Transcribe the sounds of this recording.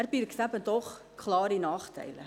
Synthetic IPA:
rpiːɾəksæpəntɔχ | kʰlɑːrdinɑːχtʰɛ̰jlə̰

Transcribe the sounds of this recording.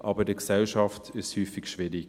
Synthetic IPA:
ʔɑːbədəksɛlʃɑftʰɪshyːfɪɡʃʋɪɾɪ

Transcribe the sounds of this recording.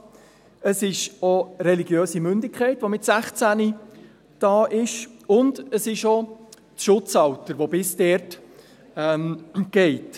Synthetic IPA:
əsɪʃoɾɛliɡjøːsimʏndɪkʰχɛɪtʋomɪtsæχt͡sæni | d̥ɑːʔɪʃʊndəsɪʃo | ʃʊt͡sɑwtəɾʋobɪsdɛːɾt | ɛmɡ̥ɛɪt

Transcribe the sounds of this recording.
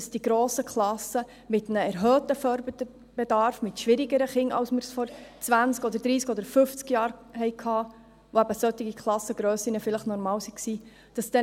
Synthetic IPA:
sd̥iɡɾoːsəkχlɑsə | mɪt̪nəɛɾɦœːt̪əfœɾb | b̥edɑɾfmɪtʃʋɪɾɪɡəɾəχɪŋɑ̰wsməɾsfɔɾt͡svænskɔd̪əɾd̥̪ɾiːskɔd̪əɾfʏft͡skjɑːɾhɛɪkʰhɑː | voæbəsœt̪ːiɡikχlˠɑsːəɡɾœːsinəfɪləχnɔɾmɑːwsiksiː | d̥ɑsd̥̪ɛ

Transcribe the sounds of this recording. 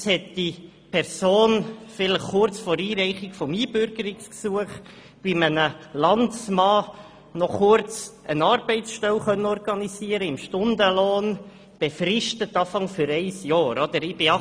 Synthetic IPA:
shɛt̚d̥i | pʰɛɾsoːnfɪləχkʊɾt͡sfoːɾiːɾɛɪχɪɡfɔmiːbʏɾɡ̥əɾɪksksuəχ | bimənəlɑntsmɑː | nɔχʊɾt͡sʔənɑːɾbɛɪtsʃtɛwχœnːəɔrɡɑnisiəɾəɪmʃtʊndəloːn | b̥ɛfrɪʃtətɑːfɑŋfʏɾɛɪsjɑːɾod̪̥əɾɪb̥ɪ

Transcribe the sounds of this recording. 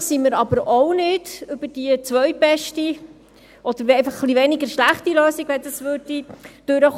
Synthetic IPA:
siməɾɑbəɾoʊnɪd̥ʏb̥əd̥iət͡sʋœɥbɛʃti | ɔd̥̪əɾejfɑχːlivɛnɪɡəɾʃlæχtiløːsiɡʋɛndɑsʋødid̥øɾəχ

